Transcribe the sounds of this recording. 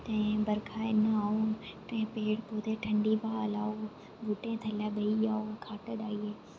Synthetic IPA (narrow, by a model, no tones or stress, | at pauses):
t̪ɐ̃ẽbɐɾkʰaːɪnaːot̪ɐ̃ɪ̃peːɽpoːd̪eʈʰɐ̃ɳɖibʱaːɐlaːo | bʱuːʈẽt̪ʰɐlabɐiaːokʰaːʈəɗaːieː